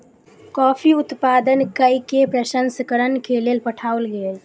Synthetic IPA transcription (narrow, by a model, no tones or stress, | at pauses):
kɔpʰiut̪pad̪ənkəjkepɾəʃənsəkəɾənkelelpəʈʰaulɡel